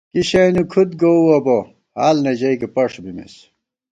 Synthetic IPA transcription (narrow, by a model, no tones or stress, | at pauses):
kiɕenukʰut̪̚ɡowɐbo | haːlned͡ʑɐjkepɐʂbimḭs